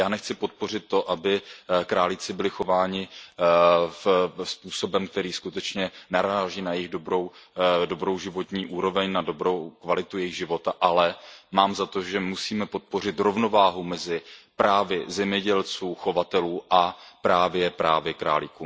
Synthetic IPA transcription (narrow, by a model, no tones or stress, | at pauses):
jaːnɛxt͡sɪpo̞t̪̚po̞r̝ɪt̪ːo̞ʔabɪkɾaːlɪt͡sɪbɪlɪxo̞vaːɲɪ | fspuːso̞bɛmk̚t̪ɛɾiːskut̪ɛt͡ʃɲɛnaɾaːʒiːnajɪɣdobɾowdobɾo̞wʒɪvo̞t̪ɲiːʔuːɾo̞vɛɲnadobɾowkvalɪt̪ujɛjɪɣʒɪvo̞t̪aʔalɛmaːmzat̪oʒɛmusiːmɛpo̞t̪̚po̞r̝ɪt̪ɾo̞vno̞vaːɦumɛzɪpɾaːvɪzɛmɲɛɟɛlt͡suːxo̞vat̪ɛluːʔapɾaːvjɛpɾa̰ːvjɛkɾa̰ːlɪkuːm